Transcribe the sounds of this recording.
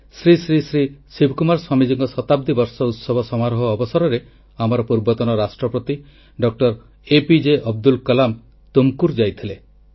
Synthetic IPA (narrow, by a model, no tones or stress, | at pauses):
sɾisɾisɾisibʱkumaɾswamid͡ʒiŋɡɔsɔt̪ab̚d̪ibɔɾsɔut̪sɔbʱɔsɔmaɾɦɔːbɔsɔɾɔɾe | amɔɾɔpuɾbɔt̪ɔnɔɾasʈɾɔpɾɔt̪i | ɖɔk̚ʈɔɾ | epid͡ʒeʔɔb̚d̪ulkɔlam | t̪umkuɾd͡ʒajt̪ʰile